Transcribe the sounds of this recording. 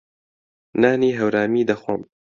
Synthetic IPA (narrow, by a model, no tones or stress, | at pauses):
naːniːɦɐwɾaːmiːd̪ɐxwɐm